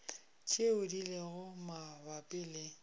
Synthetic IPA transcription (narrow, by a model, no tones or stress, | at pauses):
t͡ʃʰʼeʊdileɣʊmabapʼɪle